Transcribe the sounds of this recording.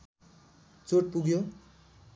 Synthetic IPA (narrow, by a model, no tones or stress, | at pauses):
t͡soʈ̚puɡjo